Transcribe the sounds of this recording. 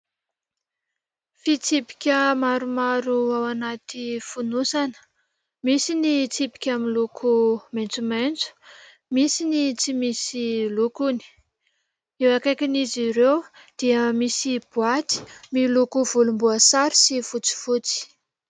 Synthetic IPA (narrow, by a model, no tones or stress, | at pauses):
fit͡sipi̥kʲəmaɾumaɾuawanat̪ifunusanə̥ | misinit͡sipi̥kʲamilukʰument͡sument͡su̥ | misinit͡simisilukuni̥ | ewakakʲiniziɾew | d̪̥iəmisib̥uat̪i̥milukuvulumbuasaɾi̥sifut͡si̥fut͡si̥